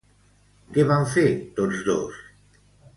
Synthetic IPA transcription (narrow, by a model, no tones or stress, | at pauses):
keβaɱfeɾt̪ot̪zd̪o̰s